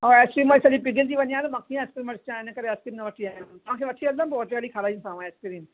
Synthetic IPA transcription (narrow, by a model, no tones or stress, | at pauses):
oeːskɾiːmʋɐsɐlipɪɡɪld͡ʑiʋɐɲijãːt̪ɐmãːkʰeĩeːskɾiːmʋɐɾst͡ɕãɪnəkəɾeɐskɾiːmnɐʋɐʈʰiaːɦãt̪ɐʋãkʰeʋɐʈʰiɐlːəpɔːt͡ɕalikʰaɾaːĩsãːʋãeːskɾiːm